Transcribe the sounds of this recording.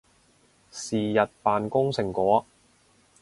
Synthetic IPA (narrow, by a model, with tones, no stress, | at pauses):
siː˨jɐ˨t̚paː˨nkʊ˥ŋsɪ˨˩ŋkɔː˨˥